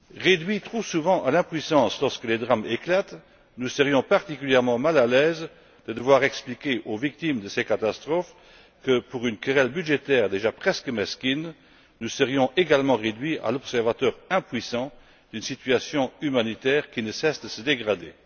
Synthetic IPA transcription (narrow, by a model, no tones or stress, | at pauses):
ʁed̪ɥit̪χosuvɑ̃ʔalɛ̃pɥisɑ̃ːslɔʁskəled̪ʁameklat̪ | nusəʁjɔ̃paʁt̪ikyljɛʁmɑ̃malalɛːz | d̪̥əd̪əvwaːʁɛksplikʲeʔovik̚t̪imd̪əsekat̪ast̪χɔf | kəpuʁynkəʁɛlbyʒet̪ɛːʁd̪eʒapχɛskəmɛskin | nusəʁjɔ̃ʔeɡalmɑ̃ʁed̪ɥia̰lɔpsɛʁvat̪œːʁɛ̃pɥisɑ̃ | d̪̥ynsit̪yasjɔ̃ymanit̪ɛːʁkinəsɛsd̪əsəd̪eɡʁad̪ḛ